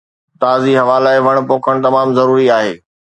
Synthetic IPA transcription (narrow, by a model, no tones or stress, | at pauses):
t̪aːziɦɐʋaːlaːɪʋɐɽ̃poːkʰəɽ̃t̪̬ɐmaːmzɐɾuːɾiaːɦḛː